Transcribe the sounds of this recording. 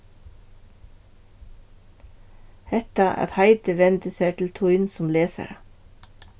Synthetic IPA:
hɛt̪ɑʔæ̰t̪hɑɪd̪əʋɛnt̪əseːt̪ʰl̩t̪ʰʊʏnsʊmleːsə̰ɾ

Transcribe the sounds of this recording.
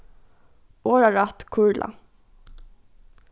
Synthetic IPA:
ɔːɹaɹat̪kʰʊɹlʔa̰

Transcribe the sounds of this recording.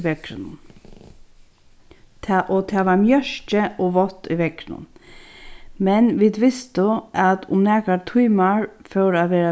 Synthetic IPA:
ɛkɾ | ʔɔt̪ʰɛːʋaɾmjœʃt͡ʃəʔɔʋɔt̪iʋɛkɾɪnʊ̰n | mɛnʋɪd̪ʋɪst̪əʔat̪ʰʊ̰mnɛːkaɾt̪ʰuːmaɹfœʊɾaʋeːɾa

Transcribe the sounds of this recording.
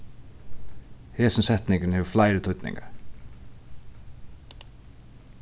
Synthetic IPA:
heːsʏn̩sɛt̪nɪŋɡənɛːflæɪɾʉt̪ʰœʏt̪nɪ̰ŋɡə̰ɹ

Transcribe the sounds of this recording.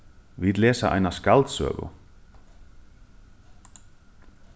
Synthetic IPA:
viðlɛːsa̰ʔa̰jnaskalt̪sœ̰ːɣʊ̰

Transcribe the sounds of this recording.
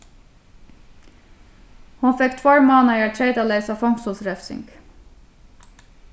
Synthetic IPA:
hʊnfɛkt̪ʰʋɔɹmɑːnɑiæt̪ʰɾeɪd̪ɑleɪsɑfɔŋsulsɾɛfsɪ̰ŋk

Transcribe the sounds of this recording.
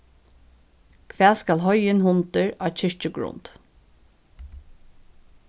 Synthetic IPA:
kʰʋæːskalɦɔjɪnhʊnt̪əɹaːcʰɪʂt͡ʃəɡɹʊ̰nt̪

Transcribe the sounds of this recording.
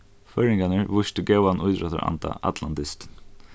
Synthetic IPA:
fœːɹɪŋkanəɹʋʊst̪əɡɛːwanujt̪ɾɛt̪a̰ʔa̰nt̪a̰ʔa̰t̪ʰlant̪ɪst̪

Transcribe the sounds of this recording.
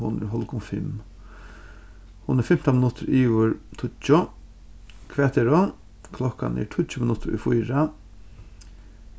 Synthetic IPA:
ʊnɦɔlkʰɔmafɪm | hʊnɛɾfɪm̥t̪amɪnʊt̪ʰəɾʔiːʊɾt̪ʰʊt͡ʃːʊ | kʰʋɛːt̪ʰɛɾɔ | kʰlɔka̰nɛ̰ʈʰʊːt͡ʃʰuːmɪnʊt̪əɾʊ̰fujɾa

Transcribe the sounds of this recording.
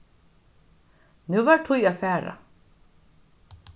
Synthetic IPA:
nʉːvaɹʈʰujaðfæːɾa̰

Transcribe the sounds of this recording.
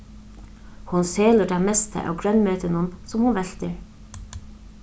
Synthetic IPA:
hʊnseːləɖæmɛst̪ʰə̰ʔɑ̰wɡɾœnmøːt̪ɪnʊnsʊmhʊnʋɛlt̪ɪɹ

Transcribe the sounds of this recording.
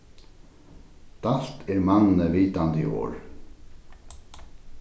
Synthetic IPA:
d̪̥al̥t̪ʰɛɹmanɪnəʋiːt̪and̪ḭo̰ːɹ

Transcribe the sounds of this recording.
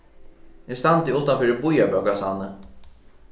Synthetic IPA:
est̪ant̪ɪuːt̪anfɪːɾɪbujabœkasa̰nːə

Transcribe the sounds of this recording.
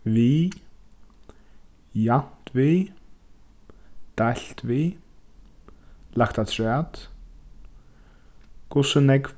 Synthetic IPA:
viː | jan̥t̪vɪ | t̪al̥t̪vi | laxt̪at̪ʰɾɛːt̪ | kɔsʏnɛk

